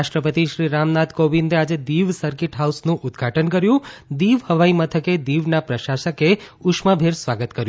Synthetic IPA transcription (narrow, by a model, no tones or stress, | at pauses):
aʃʈɾəpət̪iʃɾiɾamnad̪ʱkoʋind̪ʱead͡ʒed̪iʋsəɾkɪʈɦausnũʔʊd̪ɡʱaʈʰənkəɾjũd̪iʋhəʋaimət̪ʰəked̪iʋnapɾəʃaʃəkeʊʃmabʱeɾsʋaɡət̪kəɾjũ